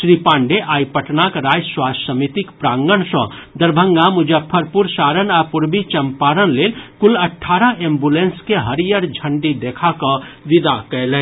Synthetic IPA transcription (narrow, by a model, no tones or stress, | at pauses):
ʃɾipãːɳɖeʔaːipəʈnakɾaːjswaːsəmit̪ikpɾaːŋɡəɳsɔ̰̃d̪əɾbʱə̃ŋɡamʊd͡ʒəpʰːəɾpuɾsaːɾənaɾpʊɾbit͡ʃɐmpaːɾənleːlkʊlɐʈʰːaːɾəẽːmbulẽnskeɦəɾijəɾd͡ʒʱə̃ɳɖid̪eːkʰakəʋɪd̪akɛlɛ